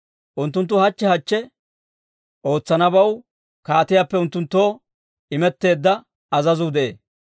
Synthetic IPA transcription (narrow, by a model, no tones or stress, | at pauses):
ʔʊnt̪̬ːʊnt̪̬ːʊhɐt͡ʃːɛhɐt͡ʃːɛ | ʔo̞ːt͡sːɐnɐbɐw | kaːt̪ɪjaːpːɛʊnt̪ːʊnt̪ːoː | ɪmɛt̪ːe̞ːd̪ːɐ | ɐzɐzʊd̪ɛʔeː